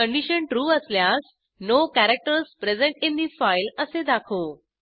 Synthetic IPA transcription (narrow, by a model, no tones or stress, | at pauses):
əɳɖiɕəɳʈɾuːəsljas | nokæɾək̚ʈəɾspɾezẽɳʈĩnd̪ifajləsed̪akʰo